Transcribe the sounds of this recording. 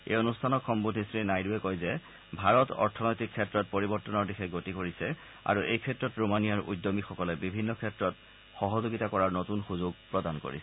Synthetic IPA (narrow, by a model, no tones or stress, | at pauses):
ḛjonustʰanɔkxɔmbudʱisɹinajduɛkojzɛ | bʱaɹɔtɔ̰ɹtʰɔnɔjtikʰːɛtɹɔt̚poɹibɔɹtɔnɔɹdixʰɛɡotikoɹisɛ | a̰ɹuʔejkʰɛtɹɔtɹomanijaɹʔṵjdːomixɔkɔlɛbibʱinːɔkʰɛtɹɔt | xɔɦɔzoɡitakɔɹaɹnotunxuzʊɡ̚pɹɔdanko̰ɹḭsɛ